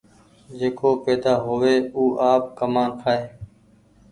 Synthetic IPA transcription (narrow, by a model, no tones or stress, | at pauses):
d͡ʒeːkoːpɛːd̪aːɦoːʋeːuːʔaːp̚kəmaːnpʰaːeː